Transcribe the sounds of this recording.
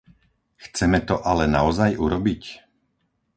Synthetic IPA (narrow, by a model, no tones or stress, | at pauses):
xt͡sɛmɛt̪ɔʔalɛnaɔzajuɾɔbic